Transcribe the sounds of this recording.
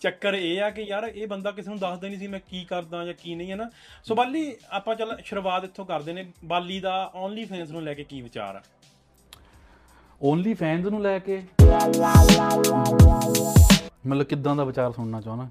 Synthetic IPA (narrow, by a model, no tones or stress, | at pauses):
t͡ʃəkːəɾeːaːkɪjaːɾeːbənd̪aːk̬ɪseːnũːd̪əsd̪eːniːs̬iːmɛ̃ːkiːkəɾd̪ãːd͡ʒãːkiːnə̃ĩːɦɛːnaː | soːbaːlːiːaːpãːt͡ʃəlʃəɾʋaːd̪ɪt̪ʰːõːkəɾd̪eːneːbaːlːiːd̪aːɔːnliːpʰɛ̃ːnsnũːlɛːkeːkiːʋɪt͡ʃa̰ːɾa̰ː | ɔːnliːpʰɛ̃ːnsnũːlɛːkeː | mət̪ləbkɪd̪ãːd̪aːʋɪt͡ʃaːɾsʊɳnaːt͡ʃaːnaː